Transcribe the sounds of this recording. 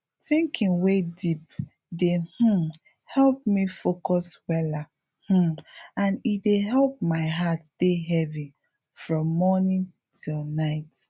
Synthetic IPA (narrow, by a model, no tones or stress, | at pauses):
θĩŋkʰĩnwedip̚ | deh̩ | hɛlp̚mifokɔswɛla | h̩ãnideɦɛlp̚maɪɦatd̥eɦɛvi | fɹɔ̃mːɔnĩn | tʰilnaɪt